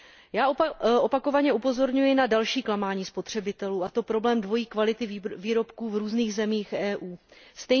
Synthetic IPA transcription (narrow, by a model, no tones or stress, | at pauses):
jaːʔopako̞vaɲɛʔupo̞zo̞ɾɲujɪnadalʃiːklamaːɲiːspo̞t̪r̝̥ɛbɪt̪ɛluːat̪o̞pɾo̞blɛːmdvo̞jiːkvalɪt̪ɪviːɾo̞pkuːvɾuːzniːɣzɛmiːxʔɛːʔuːst̪ɛ